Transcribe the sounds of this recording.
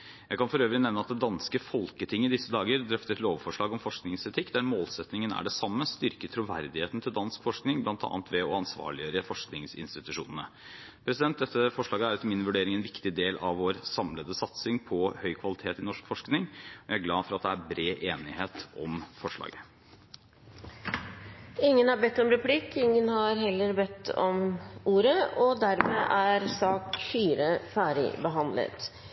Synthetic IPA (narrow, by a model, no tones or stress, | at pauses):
jæɪkʰɑnfɔɾøːʋɾɪnɛʋnəɑt̪̚d̪ɛd̪ɑnskəfɔlkət̪ʰɪŋːəɪd̪ɪsːəd̪ɑːɡəɾd̪ɾœft̪əɛt̪loːʋfɔʂɭɑːɡɔmfɔʂknɪŋsɛt̪ʰɪkːd̪æɾmoːlsɛt̪nɪŋənæ̰ɖɛsɑmːəst̪ʏɾkət̪ʰɾuːʋæ̰ɾd̪ɪheːt̪n̩t̪ʰɪld̪ɑnskfɔʂknɪŋblɑnt̪ɑ̰ːnt̪ʰʋɛɔɑnsʋɑ̰ːɭɪøːɾəfɔʂknɪŋsɪ̰nst̪ɪt̪ʉʂṵːnənə | pʰɾɛsɪd̪ɛnt̪̚d̪ɛt̪ːəfɔʂɭɑːɡəæɾɛt̪ːəmɪnʋʉɖeːɾɪŋɛnʋɪkt̪ɪd̪eːlʔɑʋːoːɾsɑmləd̪əsɑt̪sɪŋpʰɔhœʏkʰʋɑlɪt̪ʰeːt̪ɪnɔʂkfɔʂknɪŋɔjæɪæɾɡlɑːfɔɾɑt̪̚d̪ɛæɾbɾeːʔeːnɪheːt̪ɔmfɔʂɭɑ̰ːɡə | ɪŋːənhɑɾbɛt̪ːɔmɾɛpʰlɪkːɪŋːənhɑɾɦɛlːəɾbɛt̪ːɔ̰mʔuːɾəɔd̪æɾmeːʔæɾsɑːkfyːɾəfæːɖɪ̰bəɦɑnd̪lə̰t̪